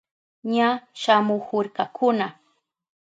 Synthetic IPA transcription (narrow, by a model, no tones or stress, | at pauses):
ɲaʃamʊhʊɾkakʰʊna